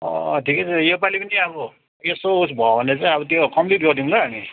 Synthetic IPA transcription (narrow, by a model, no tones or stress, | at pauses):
ʌ̰ʈʰiket͡sʰʌjepalipʌnit͡saj̃ʌbʌ | esousbʱʌbʱʌnet͡sãĩʌbʌt̪jokʌmd̪it̪̚ɡʌrd̪iũd̪aɦːni